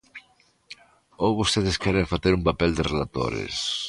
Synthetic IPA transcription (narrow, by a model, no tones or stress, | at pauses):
owβost̪eðɪskɛɾeɱfaθeɾumpapɛld̪ɪrelat̪o̰ɾḛs